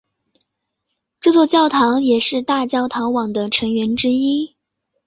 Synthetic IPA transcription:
ʈ͡ʂɤ˥˧t͡swɔ˥˧t͡ɕjɑ˥˩ʊt̪ʰɑ˧˥ŋjɛ˨˩ʂɻ̩˥˧t̪a˥˧t͡ɕjɑ˥˩ʊt̪ʰɑ˧˥ŋwɑ˨˩ŋd̪ə˦ʈ͡ʂʰɤ˧˥ŋɥɛ˧˥nʈ͡ʂɻ̩˥i˥

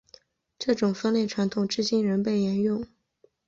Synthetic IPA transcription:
ʈ͡ʂɤ˥˩ʈ͡ʂʊ˨˩ŋfə˥nle˥˩ɪʈ͡ʂʰwa˧˥nt̪ʰʊ˨˩ŋʈ͡ʂɻ̩˥˧t͡ɕi˥nɻə˧˥npe˥˩ɪjɛ˧˥njʊ˥˩ŋ

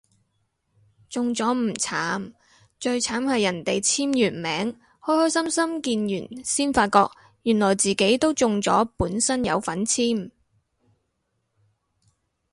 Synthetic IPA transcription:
t͡sʊ˨ŋt͡sɔː˨˥m̩˨˩t͡sʰaː˨˥m | t͡ʃɵ˧ɥt͡sʰaː˨˥mhɐ˨jɐ˨˩nt̪e˨jt͡sʰiː˥mjyː˨˩nmɛː˨˥ŋ | hɔː˥hɔː˥jsɐ˥msɐ˥mkiː˧njyː˨˩nsiː˥nfaː˧t̚kɔː˧k̚ | jy˨˩nlɔː˨˩jt͡siː˨ke˨˥jt̪o˥wt͡sʊ˨ŋt͡sɔ̰ː˨˥puː˨˥nsɐ˥njɐ̰˨˧wfɐ˨˥nt͡sʰiː˥m

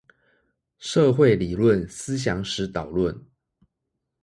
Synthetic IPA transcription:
ʂɤ˥˧xwe˥˨ɪli˨˩lwə˥˨nsɹ̩˥ɕ̬jɑ˧˥ŋʂɻ̩˧˥t̪ɑ˨˩ʊlwə˥˨n

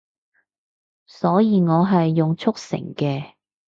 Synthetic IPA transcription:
sɔː˨˥jiː˨˧ŋɔː˨˧ɦɐ˨jːʊ˨ŋt͡ʃʰʊ˥k̚sɪ̰˨˩ŋkɛː˧

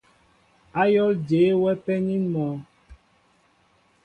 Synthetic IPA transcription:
a˦jɔ˦ld͡ʒeː˨˦wɛ˦pɛ˦ɲi˦nmɔ˨˦

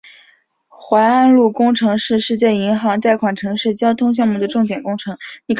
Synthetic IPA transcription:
xwa˧˥a˥nlu˥˩kʊ˥ŋʈ͡ʂʰɤ˧˥ŋʂɻ̩˥˧ʂɻ̩˥˧t͡ɕjɛ˥˩i˧˥ŋxɑ˧˥ŋt̪a˥˩ɪkʰwa˨˩nʈ͡ʂʰɤ˧˥ŋʂɻ̩˥˩t͡ɕjɑ˥ʊt̪ʰʊ˥ŋɕ̬jɑ˥˧ŋmu˥˩d̪ə˦ʈ͡ʂʊ˥˩ŋt̪jɛ˨˩nkʊ˥ŋʈ͡ʂʰɤ˧˥ŋni˨˩kʰ

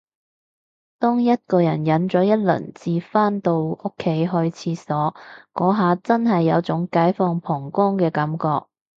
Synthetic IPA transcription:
t̪ɔː˥ŋjɐ˥t̚kɔː˧jɐ˨˩njɐ˨˥nt͡sɔː˨˥jɐ˥t̚lɵ̰˨˩nt͡siː˨˧faː˥nt̪o˧wʊ˥kʰːe˨˥jɦɵ˧ɥt͡sʰiː˨˧sɔː˨˥kɔː˨˥ɦaː˨˧t͡sɐ˥nɦɐ˨jːɐ˨˧wt͡sʊ˨˥ŋkaː˨˥jfɔː˧ŋpʰɔː˨˩ŋkɔː˥ŋkɛː˧kɐ˨˥mkɔː˧k̚

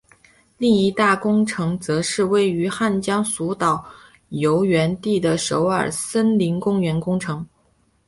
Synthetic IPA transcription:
li˥˩˧ŋi˥˩t̪a˥˩kʊ˥ŋʈ͡ʂʰɤ˧˥ŋt͡sɤ˧˥ʂɻ̩˥˧we˥˩ɪy˧˥xa˥˩nt͡ɕjɑ˥ŋsu˧˥t̪ɑ˨˩ʊ | jo˧˥ʊɥɛ˧˥nt̪i˥˩d̪ə˩ʂo˧˥ʊə˞˨˩sə˥nli˧˥ŋkʊ˥ŋɥɛ˧˥nkʊ˥ŋʈ͡ʂʰɤ˧˥ŋ

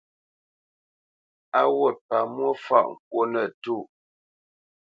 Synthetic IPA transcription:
a˦wo˦˨t̚pa˨mwo˦fa̰˦˨ʔŋ̩˨k̚wo˦nə˦˨tu˦˨

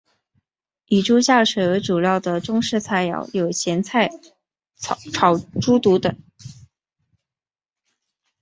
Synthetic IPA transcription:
i˨˩ʈ͡ʂu˥ɕja˥˩ʂɛ˨˩we˧˥ɪʈ͡ʂu˨˩jɑ˥˩ʊd̪ə˩ʈ͡ʂʊ˥ŋʂɻ̩˥˧t͡sʰa˥˩ɪjɑ̰˨˧˩ʊjo˨˩ʊɕjɛ˧˥nt͡sʰa˥˩ɪ | ʈ͡ʂʰɑ˨˩ʊʈ͡ʂu˥t̪u˧˥t̪ɤ˨˩˦ŋ

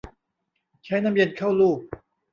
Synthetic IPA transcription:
t͡ɕʰa˦˥jna˧˥mji˧nkʰa˥˩wluː˥˩k̚

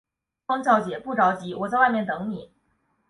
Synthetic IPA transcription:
ɑ˥ŋt͡ɕjɑ˥˩ʊt͡ɕjɛ˨˩pu˥˩ʈ͡ʂɑ˧˥ʊt͡ɕi˧˥wɔ˨˩t͡sa˥˧wa˥˧ɪmjɛ˥˩nt̪ɤ˧˥ŋni˨˩˦

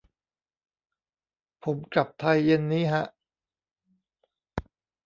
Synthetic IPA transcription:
pʰo˩˦mkla˨˩p̚t̪ʰa˧jːe˧nːiː˦˥ɦa˦˥ʔ

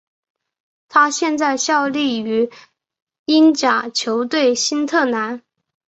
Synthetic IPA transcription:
t̪ʰa˥ɕjɛ˥˧nt͡sa˥˧ɪɕjɑ˥˧ʊli˥˩y˧˥ | i˥nt͡ɕja˨˩t͡ɕʰjo˧˥ʊt̪we˥˩ɪɕi˥nt̪ʰɤ˥˩na˧˥n

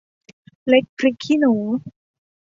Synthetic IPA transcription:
le˦˥k̚pʰɾi˦˥kʰːi˥noː˩˦

